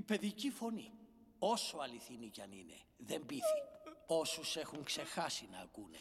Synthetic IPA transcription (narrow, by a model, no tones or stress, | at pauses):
ipe̞ðicifo̞ni | o̞soɐliθinicɐnḭnḛ | ðembiθi̥o̞suse̞xuŋkse̞xɐsinɐːkune